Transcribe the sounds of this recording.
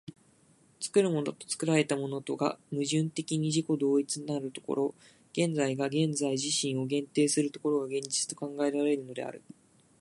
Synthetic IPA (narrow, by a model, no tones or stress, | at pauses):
t͡sɨ̥kɯ̟ɾɯ̟mo̞no̞t̪o̞̥t͡sɨ̥kɯ̟ɾaɾe̞t̪amo̞no̞t̪o̞ɡa̰mɯ̟ʑɨ̃nt̪e̞kʲiɲ̟iʑiko̞d̪o̞ːit͡sɨɲ̟inaɾɯ̟t̪o̞̥ko̞̰ɾo̞ | ɡ̥ẽ̞nd͡zaiɡaɡẽ̞nd͡zaiʑiɕĩɰ̃o̞ɡẽ̞nt̪e̞ːsɨɾɯ̟t̪o̞ko̞ɾo̞ɡaɡẽ̞ɲd͡ʑi̥t͡sɨ̥t̪o̞kãŋɡae̞ɾaɾe̞ɾɯ̟no̞d̪e̞̰a̰ɾɯ̟̰